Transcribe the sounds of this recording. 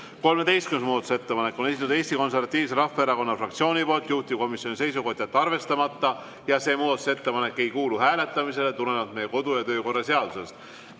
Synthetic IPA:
ko̞lme̞t̪e̞jst̪̚kynmuːd̪ɑt̪u̥se̞t̪ːe̞pɑne̞kːˑo̞ne̞sit̪ːud̪e̞ːsʲt̪iko̞ns̬ervɑt̪ːˑiːvs̬e̞ɾɑfːeeɾɑko̞nːɑfrɑkt̪sio̞ːnʲipo̞ːlt̪ˑjuht̪iko̞misjo̞nise̞jsuko̞d̪̥ʲjɑt̪ːɑrve̞st̪ɑmɑt̪ːɑ | jɑse̞ːmuːd̪ɑt̪u̥se̞t̪ːe̞pɑne̞kːe̞jkuːluhæːle̞t̪ːˑɑmise̞let̪ule̞nɑt̪me̞jːeko̞d̪̥ujɑt̪ø̞ːko̞rːɑse̞ɑd̪use̞st̪

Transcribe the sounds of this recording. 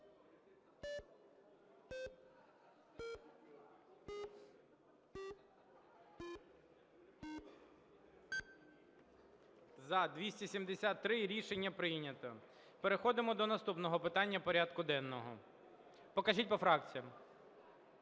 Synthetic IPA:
zɐd̪ʋʲisʲtʲisʲimd̪esʲat̪ːɾɪɾʲiʃenʲːɐpɾɪjnʲɐt̪ɔ | peɾexɔd̪ɪmɔd̪ɔnɐst̪upnɔɦɔpɪt̪ɑnʲːɐpɔɾʲad̪kʊd̪ɛnːɔɦɔ̰ | pɔkɐʒitʲpɔfɾɑk̚t͡sʲijɐm

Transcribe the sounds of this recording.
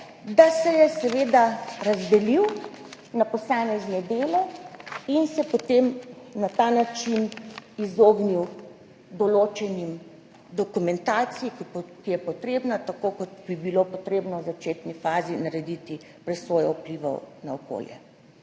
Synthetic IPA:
d̪asɛjɛsɛʋeːd̪aɾazd̪ɛliw | napɔsaːmɛznɛd̪eːlɛinsɛpot̪emnat̪anat͡ʃinizoːɡniw | d̪ɔloːt͡ʃɛnim | d̪ɔkumɛnt̪aːt̪sijikkijɛpɔt̪ɾeːbnat̪akoːkɔt̪bibilopɔt̪ɾeːbnɔwzat͡ʃeːt̪nifaːzinaɾɛd̪it̪i | pɾɛsʋoːjɔupliʋɔ̰naɔko̰ːljɛ̰

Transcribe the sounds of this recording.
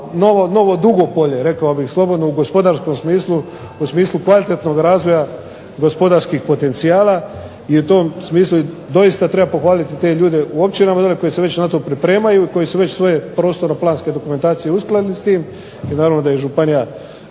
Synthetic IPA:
no̞ʋono̞ʋo̞d̪uɡo̞po̞ʎe̞ɾe̞kaobixslˠo̞bo̞d̪nouɡo̞spo̞d̪aɾsko̞msmiːslˠu | usmiːslˠukʋalit̪et̪no̞ɡɾaːzʋo̞ja | ɡo̞spo̞d̪aɾskixpo̞t̪e̞nt̪sijaːlˠa | iut̪o̞ːmsmiːslˠu | d̪o̞jist̪at̪ɾe̞bapo̞xʋaːlit̪it̪e̞ːʎuːd̪e̞ʔuo̞pt͡ʃinamad̪aleko̞jeseʋe̞t͡ɕnat̪o̞ːpɾipɾe̞ːmajuiko̞jisuʋe̞t͡ɕsʋo̞je̞pɾoːst̪o̞ɾaplˠaːnske̞d̪o̞kume̞nt̪aːt̪sije̞usklˠalilist̪iːm | inaːɾaʋnod̪ajeʒupanija

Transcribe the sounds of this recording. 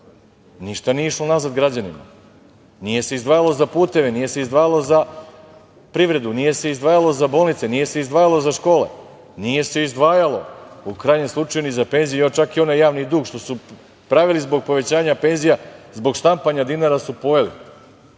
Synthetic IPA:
niʃt̪anijeiʃlˠo̞nazad̪ɡɾad͡ʑanḭma̰ | nije̞se̞izd̪ʋaːjalˠo̞zapuːt̪e̞ʋe̞nije̞se̞izd̪ʋaːjalˠo̞za | pɾiʋɾe̞d̪unije̞se̞izd̪ʋaːjalˠo̞zabo̞ːlˠnit̪se̞nije̞se̞izd̪ʋaːjalˠo̞zaʃko̞ːle̞̰ | nije̞se̞izd̪ʋaːjalˠo̞̰ukɾaːjɲe̞mslˠut͡ʃajunizape̞nzijuot͡ʃakio̞najaːʋnid̪uːɡʃt̪o̞su | pɾaʋilizbo̞ɡ̚po̞ʋe̞t͡ɕaːɲape̞nzijazbo̞ɡʃt̪ampaɲad̪inaɾasupojelḭ

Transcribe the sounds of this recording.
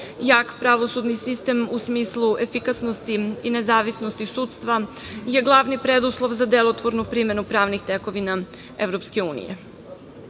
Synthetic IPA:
jaːkpɾaʋo̞sud̪nisist̪e̞musmiːslˠuʔefikasnost̪iine̞zaːʋisnost̪isuːt̪st̪ʋa | je̞ɡlˠaːʋnipɾed̪uslˠo̞ʋzad̪elot̪ʋo̞ɾnupɾime̞nupɾaːʋnixt̪eko̞ʋina | e̞ʋvɾopske̞uːnḭjḛ

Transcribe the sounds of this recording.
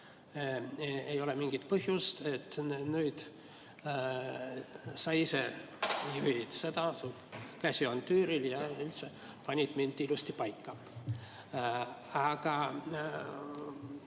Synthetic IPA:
ejo̞lemiŋɡ̥it̪pɤhjust̪e̞t̪ːnyːd̪̥ | sɑjise | juhit̪se̞d̪ɑsulkæsʲiont̪yːɾiljɑylt̪se | pɑnʲid̪mind̪ilust̪ipɑjkːɑ | ɑɡ̥ɑ

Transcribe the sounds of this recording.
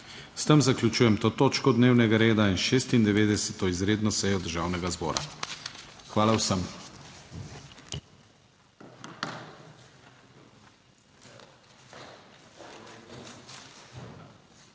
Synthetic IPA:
st̪əmzaklʲjut͡ʃuːjɛmt̪oːt̪oːt͡ʃkɔd̪neːwnɛɡaɾeːd̪ainʃeːst̪ind̪ɛʋeːd̪ɛsɛt̪ɔizɾeːd̪nɔsɛjɔd̪əɾʒawnɛɡazbɔ̰ːɾa̰ | xʋaːlawsəm

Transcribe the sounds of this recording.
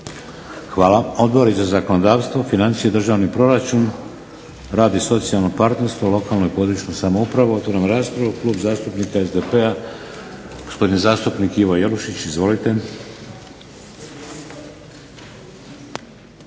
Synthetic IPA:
xʋaːlao̞d̪boɾizazako̞nod̪aːʋst̪ʋo̞finant̪sijed̪r̩ʒaːʋnipɾo̞ɾat͡ʃun | ɾaːd̪iso̞t̪sialno̞paɾt̪ne̞ɾst̪ʋolˠo̞kaːlˠno̞ipo̞d̪ɾut͡ʃnosamoupɾaʋoot̪ʋoɾamɾaːspɾaʋuklˠuːbzaːst̪upnikaezd̪epea | ɡ̥ospo̞d̪inzaːst̪upnikiʋo̞jeluʃit͡ɕizʋo̞lit̪e̞

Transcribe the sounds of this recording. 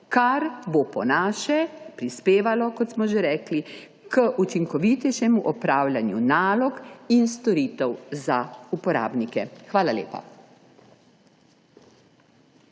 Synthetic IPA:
kaɾbopɔnaːʃɛpɾispeːʋalɔkɔt̪smɔʒeɾɛːkli | kəʔut͡ʃiŋkɔʋiːt̪ɛjʃɛmuʔɔpɾaːwlʲjanjṵnaːlɔkinst̪ɔɾiːt̪ɛwzaupɔɾa̰ːbnikɛxʋaːlalḛːpa̰

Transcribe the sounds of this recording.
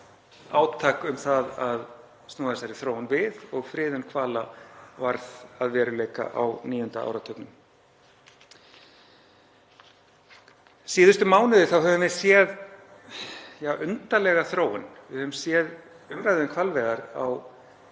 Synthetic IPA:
aːwt̪ʰaːkʏmθaðað | st̪noːðaɛsaɾɪθɾoːwnvɪðɔɣfɾɪːðʏnkʰvaːlavaɾðaðvɛːɾʏleːjka̰ʔa̰wniːjʏnt̪aa̰ːwɾat̪ʰœpnʏm | siːðʏst̪ʏmaːwnʏðɪθawhɦɛvʏmvɪ̥sjɛð | jaːʔʏnt̪alɛɣaθɾoːwɪnvɪðhœvʏmsjɛð | ʏmɾajðʏnkʰvalvɛːɣaɾa̰w

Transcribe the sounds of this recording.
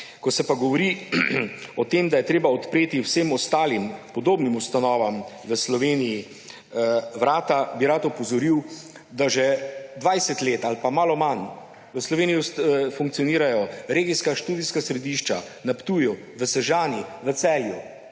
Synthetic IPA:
kɔsɛpaɡɔʋɔɾi | ɔt̪emd̪ajɛt̪ɾeːbaɔt̪pɾeːt̪iwseːmɔst̪aːlimpɔd̪oːbnimust̪anɔːʋam | ʋəslɔʋeːniji | ʋɾaːt̪abiɾat̪ɔpɔzɔɾiw | d̪aʒɛd̪ʋajsɛt̪leːt̪alpamaːlɔman | ʋəslɔʋeːnijisfuŋk̚t̪sijɔniːɾajɔɾeːɡiskaʃt̪uːd̪iskasɾɛd̪iʃt͡ʃa | napt̪uːju | ʋəsɛʒaːniʋət̪sɛːlju

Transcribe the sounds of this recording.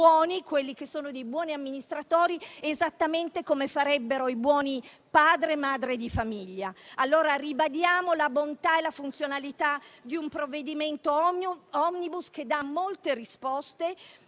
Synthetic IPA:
ɔːnikwelːik̟esːoːnod̪ejbwɔːniamːinist̪ɾat̪oːɾiezat̪ːament̪ekomefaɾɛbːeɾoibwɔːni | paːd̪ɾemaːd̪ɾed̪ifamiʎːaalːoːɾaribad̪jaːmolabont̪aelafunt̪sjonalit̪ad̪iumpɾovːed̪iment̪oɔmnibusked̪ːamːolt̪eɾispɔst̪e

